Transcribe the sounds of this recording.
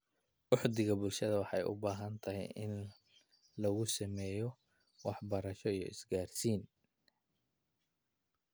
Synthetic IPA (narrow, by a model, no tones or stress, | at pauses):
ʔʊħd̪ɪɣɐbʊlʃɐðɐwɑħɑjʔʊ̰baːɦɐnt̪ʰɐɦɛ̰jɪ̰n | lɐɣʊsɐmɛːjɔ | wɑħbɐɾɐʃɔijɔ̰ɪsɡaːrsiːn